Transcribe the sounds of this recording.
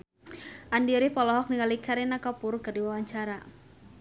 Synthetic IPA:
ʔandiɾihpɔlɔɦɔk̚niŋalikʰaɾinakapʊrkɨrdiwawaɲt͡ʃaɾa

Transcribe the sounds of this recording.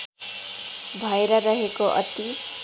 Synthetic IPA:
bʱʌjeɾʌɾʌɦekoʔʌ̰t̪i

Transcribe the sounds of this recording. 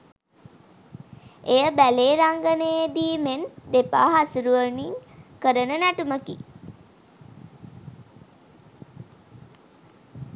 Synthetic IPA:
ejəbæleːɾaŋɡənejd̪iːmend̪epa̰ːɦasuɾuʋəniŋkəɾənənæʈuməki

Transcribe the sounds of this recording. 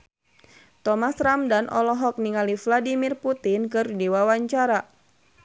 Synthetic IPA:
t̪ɔmasɾamdanʔɔlɔɦɔk̚niŋalifladimirput̪inkɨrdiwawaɲt͡ʃaɾa

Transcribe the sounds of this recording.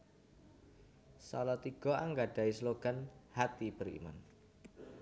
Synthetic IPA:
salɔt̪iɡ̥ɔ̤aŋɡaɖ̥a̤isloɡ̥a̤nhat̪ib̥əɾḭma̰n

